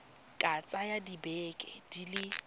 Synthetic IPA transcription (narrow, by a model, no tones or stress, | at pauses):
kʼat͡sʼajadibɛːkʼɛd̥ilɪ